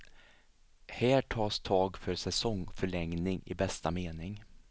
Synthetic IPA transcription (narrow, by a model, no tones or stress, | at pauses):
hæːʈʰɑːst̪ʰɑːɡfœɾsɛsɔŋfœɭɛŋnɪŋɪ̰bɛst̪ameːnɪŋ